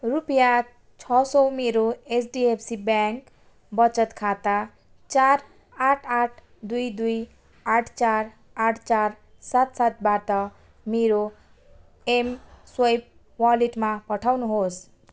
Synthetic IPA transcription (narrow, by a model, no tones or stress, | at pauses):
rupja | t͡sʰʌsʌwmeɾoesɖiepʰsibjaŋk | bʌt͡sʌt̪kʰat̪a | t͡sar | aʈʰaʈʰ | d̪ujd̪uj | aʈʰt͡sar | aʈʰt͡sar | sat̪sat̪̚baʈʌ | meɾo | emswʌjp̚ | waliʈmapʌʈʰawnuɦos